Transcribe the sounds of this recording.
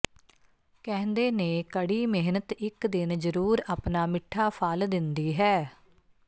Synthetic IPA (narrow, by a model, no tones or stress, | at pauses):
kɛ̃ːnd̪eːneːkəɽiːmɪɦnət̪ɪkd̪ɪnzəɾuːɾaːpnaːmɪʈʰːaːpʰald̪ɪnd̪iːɦɛː